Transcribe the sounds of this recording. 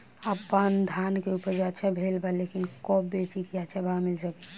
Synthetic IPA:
əpənd̪ʱankeupəɾd͡ʒat͡ʃʰɛbʱelbalekinkɔbet͡ʃikjat͡ʃʰɛbʱamilsəkɛ

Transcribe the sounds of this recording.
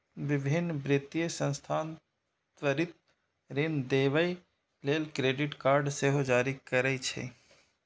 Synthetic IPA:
ʋɪbʱɪnːbɾɪt̪ijəsə̃nst̪ʰaːn | t̪ʋəɾɪt̪̚ | ɾɪnd̪eːʋəj | leːlkɾeːɖɪʈkaːɾɖseːɦod͡ʒaːɾikəɾəit͡ʃʰḛ

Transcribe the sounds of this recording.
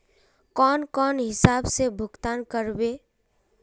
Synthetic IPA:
kɔːnkɔːnɦɪsaːbsebʱʊɡt̪aːnkəɾbeː

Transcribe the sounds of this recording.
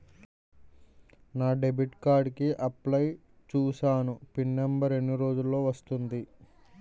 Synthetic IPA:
naːɖe̞biʈkaːɾɖkiʔɐplɐj | t͡ʃuːsaːnupinːembɐɾe̞nːiɾo̞ːd͡ʒulːo̞ːʋɐst̪und̪i

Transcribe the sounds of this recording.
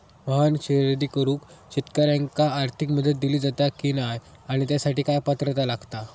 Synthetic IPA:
məɦanɕeɾd̪iːkəɾũːkt͡ɕit̪kaɾjaŋkaːɾt̪ʰikməd̪ʱət̪̚d̪iliːd͡zat̪akiːnaj | aɽ̃it̪jasaʈiːkajpat̪ɾət̪alaɡt̪a

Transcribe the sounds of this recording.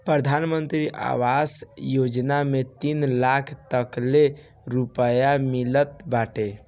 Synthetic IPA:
pɾəd̪ʱanmənt̪ɾiʔa̰ʋasjod͡ʒnamet̪inlakʰt̪əkle | ɾupəjamilət̪baʈe

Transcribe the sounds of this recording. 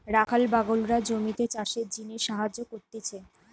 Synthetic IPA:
ɾakʰalbaɡolɾad͡ʑomit̪et͡ɕaʃeɾd͡ʑiniʃaɦad͡ʑokoɾt̪it͡ɕʰe

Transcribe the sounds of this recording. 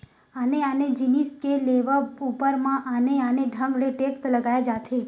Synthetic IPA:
aneaned͡ʒiniskeleʋəbupəɾmãʔaneaneɖʱə̃ŋɡleʈekst̪ləɡajad͡ʒat̪ʰe

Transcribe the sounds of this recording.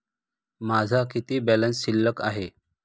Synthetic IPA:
mad͡zʱakit̪iːbɛlənsɕilːəkaɦe

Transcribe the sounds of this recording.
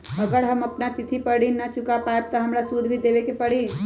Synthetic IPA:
əɡəɽɦəməpnat̪it̪ʰipəɽinnːət͡ʃʊkapaeb̚t̪əɦəmɾasud̪ʱbʱid̪eʋekepəɽi

